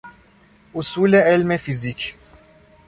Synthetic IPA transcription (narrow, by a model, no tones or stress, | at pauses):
usuleelmefizik